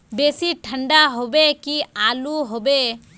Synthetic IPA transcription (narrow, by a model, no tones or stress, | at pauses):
beːsiʈʰəɳɖaɦobekiaːluɦobe